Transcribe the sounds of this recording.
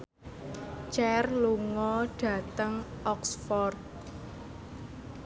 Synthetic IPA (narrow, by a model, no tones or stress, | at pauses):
t͡ʃɛrluŋɔɖ̥ä̤t̪əŋʔɔksfɔrt̪̚